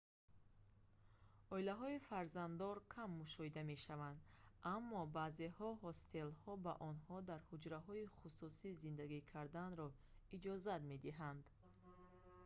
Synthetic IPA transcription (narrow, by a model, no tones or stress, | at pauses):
ɔilaɦɔifaɾzand̪ɔɾkʰamːuʃɔhid̪ame̞ʃavand̪amːɔbazehɔɦɔst̪ʰe̞lhɔbaʔɔnhɔd̪aɾhud͡ʒɾaɦɔiχususizind̪aɡikʰaɾd̪anɾɔ | id͡ʒɔzat̪me̞d̪iɦand̪